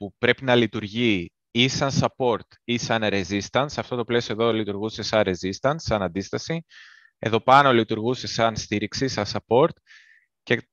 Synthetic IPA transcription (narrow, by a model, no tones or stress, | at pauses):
pupɾe̞pinɐlit̪uɾʝi | isɐnsɐpo̞ɾt̪isɐnɾe̞zist̪ɐnsɐft̪o̞t̪o̞ple̞sio̞e̞ðo̞lit̪uɾɣuse̞sɐnɾe̞zist̪ɐnsːɐnɐnd̪ist̪ɐsi | e̞̰ðo̞pɐno̞lit̪uɾɣuse̞sɐnst̪iɾiksisɐnsɐpo̞ɾt̪ | ce̞